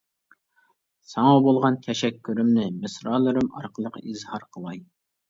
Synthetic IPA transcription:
sɑŋɑbolˠʁɑnk̪ʲʰɛʃɛkʲʰːyɾymnɪmɨsɾɑːlˠɨɾɨmɑ̰ɾqʰəlˠəqizhɑɾqʰəlˠɑj

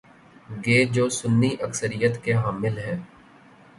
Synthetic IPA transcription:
ɡeːd͡ʒoːsʊnːiʔəksəɾijət̪keɦaːmɪlɦɛː

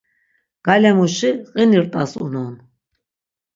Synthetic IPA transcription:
ɡ̥alɛmuʃiqʼiniɾt̪ʼasṵnɔn

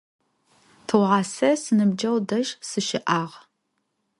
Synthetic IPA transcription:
tʰɨwʁɑːsɐsɨnɨbd͡ʒɐwdɐʒsɨʃɪʔaːʁ

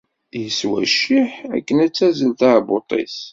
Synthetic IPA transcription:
jəswæ̰ʃɪħæ̰kːənæt͡sːæzəlθæbot̪ˤḭs

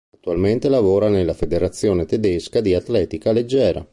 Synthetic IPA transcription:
at̪ːualment̪elavoːɾanelːafed̪eɾat̪sːjoːnet̪ed̪eskad̪iat̪lɛːt̪ikaled͡ʒːɛːɾa̰

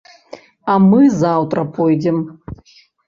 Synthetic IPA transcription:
ɐmɨzawt̪ɾɐpʰɔjd͡zʲɛm

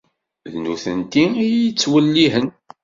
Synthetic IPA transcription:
ðnuθənt̪iiət͡sːwəlːiɦən

